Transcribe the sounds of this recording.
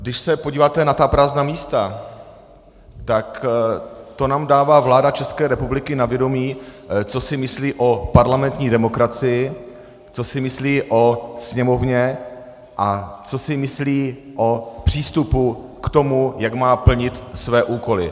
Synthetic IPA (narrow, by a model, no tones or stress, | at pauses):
ɡdɪʃsɛpoɟiːvaːt̪ɛnat̪apɾaːznaːmiːst̪a | t̪ak | t̪o̞naːmdaːvaːvlaːdat͡ʃɛskɛːɾɛpublɪkɪnavjɛdo̞miːt͡so̞sɪmɪsliːʔo̞paɾlamɛnt̪ɲiːdɛmo̞kɾat͡sɪjɪ | t͡so̞sɪmɪsliːʔo̞sɲɛmo̞vɲɛ | ʔat͡so̞sɪmɪsliː | ʔo̞pr̝̥iːst̪upu | kt̪o̞mujakmaːpl̩ɲɪt̪svɛːʔuːko̞lɪ